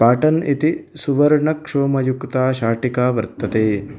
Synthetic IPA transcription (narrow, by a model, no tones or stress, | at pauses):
paːʈɐnit̪isuʋɐɾɳɐkʂoːmɐjukt̪aːʃaːʈikaːʋɐɾt̪ːɐt̪eː